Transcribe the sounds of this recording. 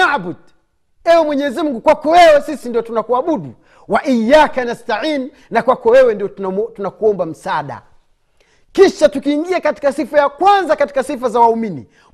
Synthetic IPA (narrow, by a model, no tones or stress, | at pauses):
abud̚ | ɛwɛmwɛɲɛzimuŋɡukwakɔwɛwɛsisindiɔtunakuaɓuɗu | waʔijːakanastaʕiːn | nakwakɔwɛwɛndiɔtunakuɔmbam̩saɗa̰ | kiʃatukiːŋɡiakati̥kasifajakwanzakati̥kasifazawauminḭ